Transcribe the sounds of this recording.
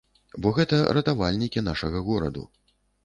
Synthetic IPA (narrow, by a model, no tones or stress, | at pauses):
bɔɣɛt̪ɐɾɐt̪avalʲnʲikʲin̪aʂɐɣɐɣɔɾɐ̰d̪ṵ